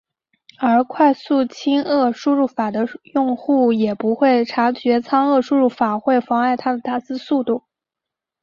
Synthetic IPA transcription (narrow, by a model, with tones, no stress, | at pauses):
ə˞˧˥kʰwa˥˧ɪsu˥˩t͡ɕʰi˥ŋɤ˥˩ʂu˥˧ɻu˥˩fa˨˩d̪ə˦jʊ˥˧ŋxu˥˩jɛ˨˩pu˧˥xwe˥˩ɪʈ͡ʂʰa˧˥t͡ɕɥɛ˧˥t͡sʰɑ˥ŋɤ˥˧ʂu˥˧ɻu˥˩fa˨˩xwe˥˩ɪfɑ˧˥ŋa˥˧ɪt̪ʰa˥d̪ə˨t̪a˥˩sɹ̩˥su˥˧t̪u˥˩